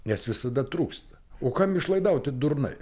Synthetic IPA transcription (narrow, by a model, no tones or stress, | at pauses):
nʲɛsʋʲɪsɐd̪ɐt̪ɾuːkst̪ɐ̥oːkɐmɪʃlˠɐɪd̪ɐʊt̪ʲɪd̪ʊɾnɐ̰ɪ